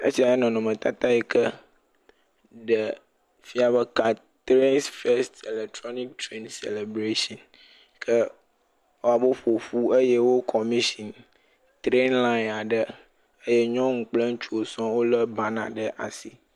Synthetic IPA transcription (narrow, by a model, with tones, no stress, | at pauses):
ə̰˦si˦a˨jɛ˦nɔ̃˨nɔ̃˨mə̃˨t̪a˦t̪a˦ɛ˨kə˦ | ɖə˨ | fi˦a˨βə˦ka˨ | t̪ɾe˦nsfe˦ste˨le˨k̚t̪ɾɔ˦ni˦k̚t̪ɾe˦nsḛ˨le˨bɾe˦ʃɔ̃˨n | kʰə˦ | wo˦a˨bə˦ɸo˨ɸu˦ə˦jɛ˦wo˦kʰɔ˨mĩ˦si˨n | t̪ɾe˦nla˦i˨na˨ɖə˦ | ə˦jɛ˦ɲɔ̃˦ŋ̩˨k͡plə˦ŋ̩˦t͡ʃu˦o˨sɔ̃˦wo˦lə˦ba˦nã̰˨ɖə˦ʔa˨si˦